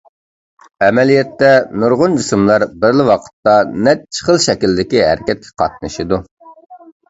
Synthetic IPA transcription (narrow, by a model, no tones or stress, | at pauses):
ɛmɛlijɛt̪ːɛnuɾʁʊnd͡ʒysumlˠɑɾbɪɾlɪwɑqʰə̥t̪ːɑnɛt̪̚t͡ʃʰə̥χəlˠʃɛkʲild̪ɪkʲiɦæ̰ɾɪkʲɛt̪̚kʲʰɛ̥qʰɑ̰t̪̚nɨʃid̪u